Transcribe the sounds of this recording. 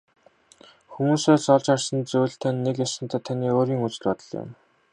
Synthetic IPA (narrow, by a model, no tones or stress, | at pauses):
xumuːseːsɔɮt͡ɕarsə̆nt͡sujɬt̪ʰænːekjasə̆nt̪ʰæːt̪ʰaniːoːɾiːŋut͡s̆ɮpɔt̪ɞ̆ɮjɪ̰m